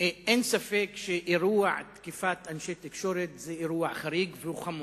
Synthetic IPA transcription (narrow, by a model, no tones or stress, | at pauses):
ʔeːnsafeːkʃeʔiɾuːa̰ʕt̪kɪfat̪ʔanʃet̪ɪkʃoɾet̪zeʔɾuːaʕxaɾiːɡvɪuxamuː